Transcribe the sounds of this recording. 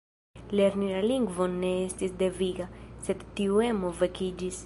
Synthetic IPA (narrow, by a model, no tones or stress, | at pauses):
leɾniɾaliŋɡvɔnːeɛst̪isd̪eviɣasɛt̪t̪ːiuɛmovekid͡ʒis